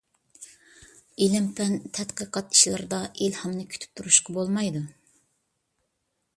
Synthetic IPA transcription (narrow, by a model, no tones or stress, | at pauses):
elɛmpʰɛnt̪ʰɛt̪qəqʰɑt̪i̥ʃilˠɨɾd̪ɑʔelhɑmnɨkʲʰy̥t̪ʰy̥p̚t̪ʰuɾuʃqʰɑbolˠmɑjd̪u